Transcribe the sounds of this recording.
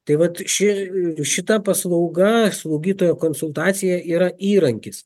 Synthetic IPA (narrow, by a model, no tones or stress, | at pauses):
t̪ɐɪʋɐt̪ʃʲɪʃʲɪt̪ɐpɐslˠɐʊɡɐslˠɐʊɡʲiːt̪oːjoːkoːnsʊlˠt̪ɑːt̪sʲɪjɛʔiːɾɐʔiːɾɐŋʲkʲɪs